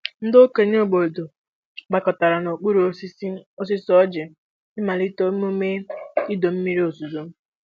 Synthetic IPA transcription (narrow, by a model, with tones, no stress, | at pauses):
n̩˦do˦ke˨ɲo˦˨ɡ͡bo˨do˨ | ɡ͡ba˨kɔ˨ta˨ɾa˨no˨k͡pu˦ɾu˨o˦si˦si˦o˦s̬i˦sɔ˦d͡ʒɪ˨ | ɪ˦ma˨li˦to˦m˦o˦me˦i˦do˨m̩˦mi˦ɾi˦o˨su˨zo˦m̩˦